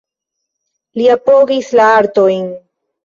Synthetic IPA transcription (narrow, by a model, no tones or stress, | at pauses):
liapo̞ɡislaaɾto̞jn